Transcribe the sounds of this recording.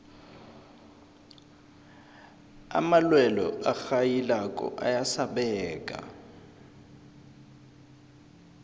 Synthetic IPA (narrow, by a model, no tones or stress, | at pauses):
a̰malwɛlɔ̰ʔaxajilakʼɔ̰ʔa̰jasaɓɛːkʼa̰